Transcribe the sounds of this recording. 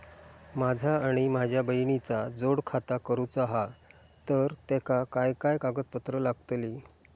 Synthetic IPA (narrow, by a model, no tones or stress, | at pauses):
mad͡zʱaːɽ̃imad͡ʑʱjabəjɳit͡sad͡zoɽkʰat̪akəɾut͡saɦa | t̪əɾt̪ɛkakajkajkaɡət̪̚pət̪ɾəlaɡt̪li